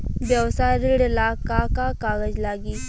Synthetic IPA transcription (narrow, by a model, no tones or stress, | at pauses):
bjəwsaɾiɽɪlaːkakakaːɡəd͡ʒlaːɡiː